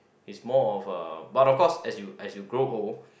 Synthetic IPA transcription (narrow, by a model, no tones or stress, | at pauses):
ismɔɔfʌ̰batɔfkɔsɛsjuɛsjuɡɹoɦol